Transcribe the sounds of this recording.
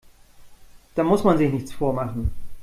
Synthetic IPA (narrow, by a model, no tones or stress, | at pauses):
d̥aːmʊsmanzɪçnɪçt͡sfoːɐmaχn̩